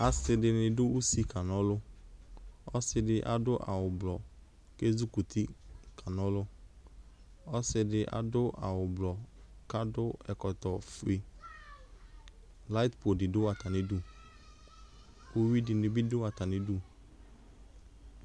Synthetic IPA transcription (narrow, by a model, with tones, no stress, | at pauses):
a˨sɪ˨dɪ˨nɪ̃˨dʊ˦u˦si˦ka˨nɔ˦lʊ˦ | ɔ˦sɪ˦dɪ˦ʔa̰˨dʊ˦ʔa̰˨wʊ˨blɔ˨ | ke˦zu˦ku˨t̪ʰɪ˦ka˨nɔ˦lʊ˦ | ɔ˦sɪ˨˦dɪ˦ʔa̰˨dʊ˦ʔa̰˨wʊ˨blɔ˨ka˦dʊ˦ɛ˨kɔ˨t̪ɔ˨fi˨ | la˦ɪ˦t̪po˨dɪ˨dʊ˦a˨t̪a˨nɪ˨˦du˦˨ | o˦wi˦dɪ˨nɪ̃˨bɪ˦dʊ˦a˨t̪a˨nɪ˨du˦˨